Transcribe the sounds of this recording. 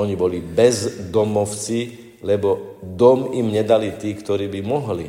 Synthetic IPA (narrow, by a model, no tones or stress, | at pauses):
ɔɲibɔlibɛzd̪ɔmɔʊt͡si | lɛbɔd̪ɔmimɲɛd̪alit̪iːkt̪ɔɾiːbimɔɦli